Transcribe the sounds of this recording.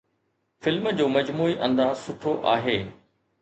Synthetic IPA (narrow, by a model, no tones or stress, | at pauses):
fɪlməd͡ʑoːmɐd͡ʑmuːiʔɐ̃nd̪aːsʊʈʰoʔaːɦeː